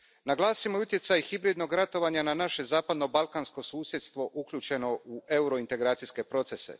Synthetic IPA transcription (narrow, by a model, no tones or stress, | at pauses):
naɡlˠaːsimoiut̪je̞t̪sajxibɾid̪no̞ɡɾat̪o̞ʋaːɲananaʃe̞zaːpad̪no̞balˠkaːnsko̞suːsje̞t̪st̪ʋo̞ʔukʎʲuːt͡ʃe̞no̞uʔe̞uɾo̞int̪e̞ɡɾaːt̪iske̞pɾo̞t̪se̞sḛ